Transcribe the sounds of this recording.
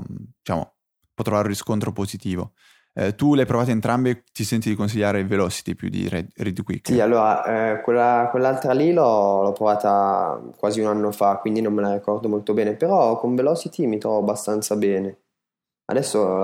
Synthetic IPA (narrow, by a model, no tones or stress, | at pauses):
d̪it͡ʃa̰ːmo̰ | pɔt̪ːɾovaɾũriskont̪ɾopozit̪iːvo | ɛt̪uleajpɾovaːt̪oent̪ɾambet̪isɛnt̪id̪ikons̬iʎːaːɾevelɔːt͡ʃi̥t̪ipjṵd̪ḭɾɛrid̪kwḭkːsialːoːɾaʔɛkwelːakwelːalt̪ɾalilɔlɔpːɾovaːt̪akwaːziunanːofakːwind̪inõmːelarikɔrd̪omolt̪obɛːnepeɾɔkoɱvelɔt͡ʃit̪imit̪ɾɔvoabːast̪ant̪sabɛːne | a̰d̪ɛsːo